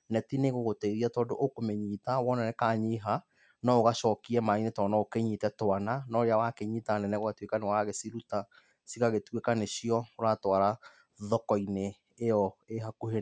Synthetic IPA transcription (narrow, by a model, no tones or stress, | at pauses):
nɛtineɣoɣoteiðiatɔːdoʔokomeɲiːtawɔnanɛkaɲiɦa | nɔoɣaʃɔːkiɛmainetɔnaokeɲiːtɛtwananɔɾeawakeɲiːtanɛnɛɣoatwekanewaɣesiɾuta | siɣaɣetwekaneɕiɔoɾatwaɾa | ðɔkɔineː | jɔeɦakuhe